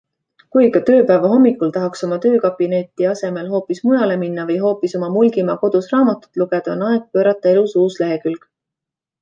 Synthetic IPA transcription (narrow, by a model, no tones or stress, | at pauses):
kujkɑt̪ø̞ːpæːvɑɦo̞mːikːˑult̪ɑɦɑkso̞mɑt̪ø̞ːkɑb̥ine̞t̪ːˑiɑse̞me̞lɦo̞ːpˑismujɑle̞minːɑvɤjɦo̞ːpiso̞mɑmulɡimɑko̞d̪usrɑːmɑt̪ːˑu̥t̪ːˑluɡ̥ed̪̥ɑonɑeɡ̥̚pø̞ːɾɑt̪ˑːɑe̞lusuːsle̞ɦe̞kylɡ̥